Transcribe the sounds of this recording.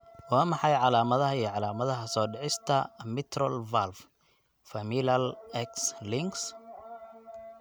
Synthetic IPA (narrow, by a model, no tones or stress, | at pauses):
wɑːmɑħɑjʕɑlaːmɐðɐɦɐiʕɑlaːmɐðɐɦɐsɔːɖɛʕɪst̪ʰɐmɪt̪ʰrɔlvalf | fɐmilɐlɛkslɪŋɡs